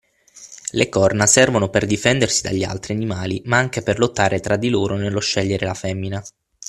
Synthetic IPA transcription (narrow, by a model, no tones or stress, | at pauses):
lekɔrnasɛrvonoperd̪ifɛnd̪ersid̪a̰ʎːia̰lt̪ɾianimaːlimaaŋk̟eperlot̪ːaːɾet̪ɾad̪ːiloːɾonelːoʃːɛʎːeɾelafɛmːina